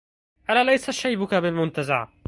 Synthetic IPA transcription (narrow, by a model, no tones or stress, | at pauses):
ʔalaːlajsaʃajbʊkabɪlmʊnt̪aza̰ʕ